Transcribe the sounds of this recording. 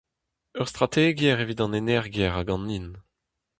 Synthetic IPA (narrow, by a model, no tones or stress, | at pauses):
œʁst̪ʁat̪eɡjɛʁevit̪ɑ̃nenɛʁɡjɛʁaɡɑ̃nin